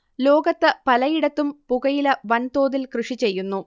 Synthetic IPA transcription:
lo̞ːɡɐt̪ːɨpɐlɐjiɽɐt̪ːumpuɣɐjilɐʋɐnt̪o̞ːðilkrɨʂit͡ɕe̞jːunːu

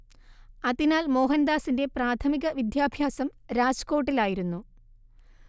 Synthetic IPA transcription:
ɐðinaːlmo̞ːɦɐnd̪aːsinde̞praːt̪ʰɐmiɣɐʋid̪jaːbʱjaːsɐmɾaːd͡ʑko̞ːʈːilaːjiɾunːu

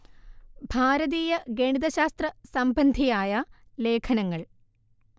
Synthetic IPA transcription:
bʱaːɾɐðiːjɐɡeɳiðɐɕaːst̪rɐsɐmbɐnd̪ʱijaːjɐ | le̞ːkʰɐnɐŋːɐɭ

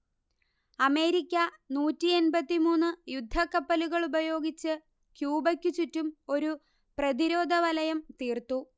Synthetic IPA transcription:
ɐme̞ːɾikʲːɐnuːtːienbɐt̪ːimuːnːɨjud̪ʱːɐkːɐpːɐluɣɐɭubɐjo̞ːɡit͡ɕːɨ | kjuːbɐkʲːut͡ɕutːumo̞ɾu | prɐd̪iɾo̞ːd̪ʱɐʋɐlɐjɐmt̪iːrt̪u

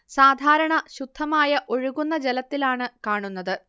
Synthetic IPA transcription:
saːd̪ʱaːɾɐɳɐɕud̪ʱːɐmaːjɐʔo̞ɻuɣunːɐd͡ʑelɐt̪ːilaːɳɨkaːɳunːɐðɨ

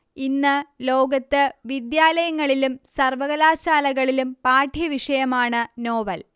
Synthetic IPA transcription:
inːɨlo̞ːɡɐt̪ːɨʋid̪jaːlɐjɐŋːɐɭilumsɐrʋɐɣɐlaːɕaːlɐɣɐɭilumpaːʈʰjɐʋiʂɐjɐmaːɳɨno̞ːʋɐl

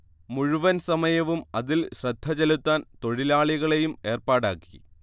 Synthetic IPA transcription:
muɻuʋɐnsɐmɐjɐʋumɐðilɕrɐd̪ʱːɐt͡ɕɐlut̪ːaːnt̪o̞ɻilaːɭiɣɐɭe̞jume̞ːrpaːɽa̰ːkːi̥

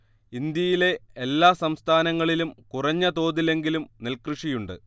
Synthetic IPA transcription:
ind̪jɐjile̞ːlːaːsɐmst̪ʰaːnɐŋːɐɭilumkurɐɲːɐt̪o̞ːðile̞ŋɡilumnelkrɨʂijuɳɖɨ̰

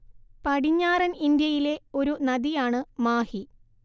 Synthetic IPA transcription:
pɐɽiɲːaːrɐnind̪jɐjile̞o̞ɾunɐd̪ijaːɳɨmaːhi

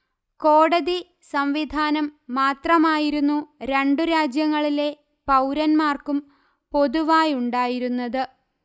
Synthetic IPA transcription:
ko̞ːɽɐði | sɐmʋid̪ʱaːnɐmːaːt̪rɐmaːjiɾunːuɾe̞ɳɖuɾaːd͡ʑjɐŋːɐɭile̞ | pɐwɾɐnmaːrkum | po̞ðuʋaːjuɳɖaːjiɾunːɐðɨ

